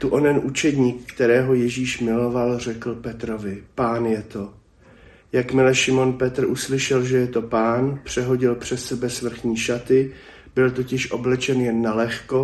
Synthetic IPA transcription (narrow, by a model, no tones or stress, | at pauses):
t̪uʔonɛnʔut͡ʃɛd̪ɲiːkːt̪ɛɾɛːɦo̞jɛʒiːʃmɪlo̞valr̝ɛkl̩pɛt̪ɾo̞vɪpaːnjɛt̪o̞ | jakmɪlɛʃɪmo̞npɛt̪r̩ʔuslɪʃɛlʒɛjɛt̪o̞paːnpr̝̥ɛɦo̞ɟɪlpr̝̥ɛt̪sɛbɛsvr̩xɲiːʃat̪ɪ | b̥ɪlt̪o̞cɪʃʔo̞blɛt͡ʃɛnjɛnːalɛxko̞